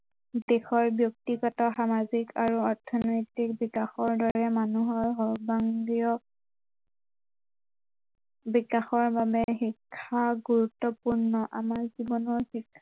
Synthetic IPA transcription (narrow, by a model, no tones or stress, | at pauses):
dɛxɔɹbjɔk̚tiɡɔtɔxamazikaɹuɔɹtʰɔnɔjtik̚bikaxɔɹdɔɹɛmanuɦɔɹɦɔbaŋdiɔ | bikaxɔɹbabɛxikʰːaɡuɹutːɔpuɹnɔʔamaɹzibɔnɔɹhikʰːa